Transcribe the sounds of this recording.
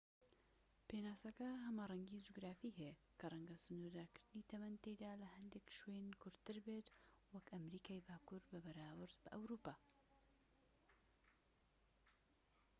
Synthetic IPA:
penaːsɐkɐɦɐmarˤɐŋɡid͡ʒuɡɾaːfiːhe | kʰɐrˤɐŋɡɐsɨnuɾd̪aːkɨɾd̪ɨniːt̪ʰɐmɐnt̪ejd̪aːlɐhɐnd̪ekʃwenkʰʊɾt̪ɨɾbeːt̪wɐkɐmɾiːkʰaːjbaːkuɾbɐbɐɾaːwɨɾd̪bɐʔɐwɾuːpaː

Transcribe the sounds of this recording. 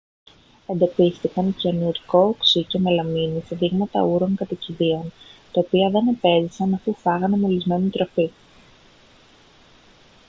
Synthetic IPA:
e̞nd̪opist̪ikɐnconuɾko̞ksice̞melɐminist̪eðiɣmɐt̪ɐ̰uɾo̞ŋkɐt̪ɐciðio̞nt̪ɐopiɐðe̞nepe̞zisɐnɐfufɐɣɐnemolizme̞nit̪ɾo̞fi

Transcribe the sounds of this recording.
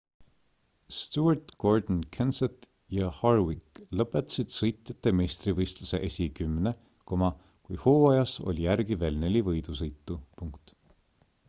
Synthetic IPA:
st̪uɑrt̪ɡ̥o̞rd̪nkʰenset̪ | jɑhɑrwikːlɤpːˑet̪ːˑɑ̥sid̪̥sɤjt̪ːˑet̪ːˑe̞me̞ːst̪rivɤjst̪luse̞̰ʔe̞sʲikymːne | ko̞mɑ | kujhoːɑjɑso̞̰lʲijærɡive̞ːlne̞lʲivɤjd̪̥us̬ɤjt̪ːˑupuŋkt̪

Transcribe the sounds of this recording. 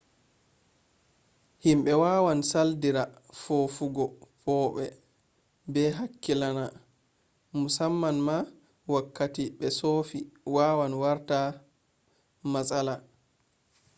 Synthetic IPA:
himɓɛwaːwansaldiɾafofuɡɔpʰɔːɓɛ̰ | bɛɦakːilana | musamːanma | wakːatiɓɛsofiwaːwanwaɾta | masala

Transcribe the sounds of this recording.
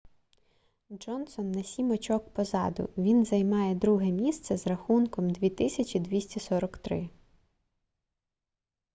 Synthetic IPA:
d͡ʒɔnsɔnːɐsʲimɔt͡ʃɔkpɔzɑd̪ʊ̰ʋʲinzɐjmɑjɛd̪ɾuɦɛmʲist̪sɛzrɐxunkɔmd̪ʲʋʲit̪ɪsʲɐt͡ʃʲid̪ʋʲisʲtʲisɔɾɔkt̪ɾɪ

